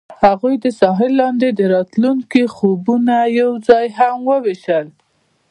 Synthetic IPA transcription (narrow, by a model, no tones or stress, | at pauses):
haɣujd̪əsɑɦɪlːɑnd̪ed̪əɾɑt̪luŋkixobunajawzɑjɦamwəweʃəl